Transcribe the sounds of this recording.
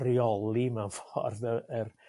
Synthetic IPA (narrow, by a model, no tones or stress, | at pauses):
riɔlˠimanfɔrðəər